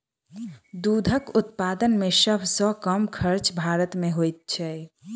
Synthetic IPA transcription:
d̪ud̪ʱəkʊt̪paːd̪ənmẽsəbʱsɔkəmkʰəɾt͡ʃbʱaːɾət̪mẽɦojt̪̚t͡ʃʰɛ

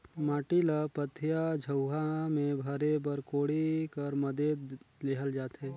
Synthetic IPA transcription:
maːʈilapət̪ʰːjad͡ʒʱəwɦamẽbʱɐɾebəɾkoːɽikəɾməd̪eːleːɦəld͡ʒaːt̪ɦeː

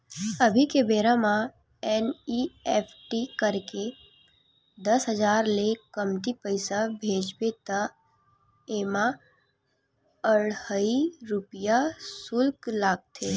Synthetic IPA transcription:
əbʱikebeːɾamã | ɛːniɛːpʰʈikəɾke | d̪ɐsɦəd͡ʒaːɾlekəmt̪ipəɪsabʱeːd͡ʒbet̪a | eːma | əɽəiɾʊpijasʊlklaːɡ̚t̪ʰeː

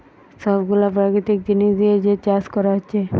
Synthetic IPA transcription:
sɔbɡulap̬ɾakɾit̪ik̚d͡ʑiniʃd̪ied͡ʑet͡ɕaskɔɾaɦotːɕʰe

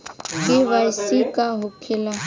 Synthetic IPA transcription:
keʋajsikaɦʊkʰɪla

